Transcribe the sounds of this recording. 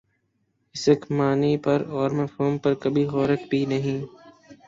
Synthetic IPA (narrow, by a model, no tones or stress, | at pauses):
ɪsəkʰmaːniːpəɾɔːɾməfoːmpəɾkəbʱiːɣɔːɾəkpiːnəɦĩː